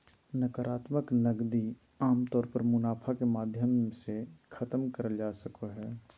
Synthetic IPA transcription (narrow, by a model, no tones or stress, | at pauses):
nəkəɾaːt̪məknəɡd̪i | aːmt̪ɔːɾpəɾmʊnaːpʰakemaːd̪ʱjəmsekʰɐt̪əmkəɾəd͡ʒaːsəkoɦɛː